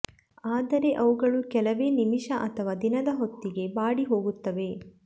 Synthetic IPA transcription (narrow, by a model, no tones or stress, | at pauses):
aːd̪ɐɾe̞ʔɐʋuɡɐɭukɛlɐʋe̞ːnimiʃɐʔɐt̪ʰɐʋaːd̪inɐd̪ɐɦo̞t̪ːiɡe̞baːɽiɦo̞ːɡut̪ːɐʋe̞